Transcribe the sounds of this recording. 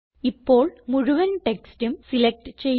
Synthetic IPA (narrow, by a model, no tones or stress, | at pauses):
ipːo̞ːɭmuɻuʋɐnʈekstumsilek̚ʈɨt͡ɕe̞j